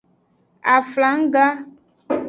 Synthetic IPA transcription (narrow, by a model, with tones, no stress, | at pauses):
a˨fla˨˦ŋ̩˦ɡa˦